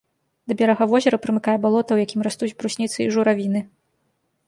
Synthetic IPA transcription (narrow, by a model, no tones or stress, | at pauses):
d̪ɐbʲɛɾɐɣɐvɔzʲɛɾɐpɾɨmɨkajɛbalˠɔt̪ɐwjakʲimɾast̪ut͡sʲbɾusʲnʲit̪sɨiʐuɾavʲinɨ